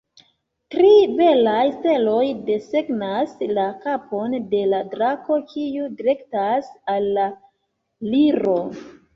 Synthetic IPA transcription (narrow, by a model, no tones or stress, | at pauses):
tɾibe̞lajste̞lo̞jde̞se̞ɡnaslakapo̞nde̞ladɾako̞kʰiudiɾe̞ktasalːa | liɾo̞